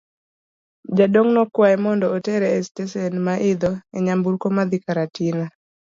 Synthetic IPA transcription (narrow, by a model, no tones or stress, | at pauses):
d͡ʒadoŋnɔkwaɛmɔndɔːtɛɾɛːstɛsɛnmaʔɪd̪ɔɛ̰ɲambuɾkomad̪ikaɾatina